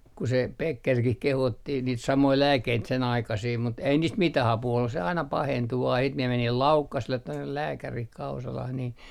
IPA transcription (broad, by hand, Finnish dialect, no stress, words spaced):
ku se pekːerkih kehotːi niːt sɑmoi læːkːeit sen ɑikɑsiː mut ei niːst mitæh ɑpuː olːus se ɑinɑ pɑhentu ʋɑː siːt mie menil lɑukːɑsĕlːet tonːe læːkærih kɑusɑlɑh niːn